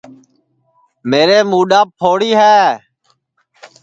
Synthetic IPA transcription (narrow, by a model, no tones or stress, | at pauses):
meːɾeːmuːɗaːpʰoːɽiːɦɛː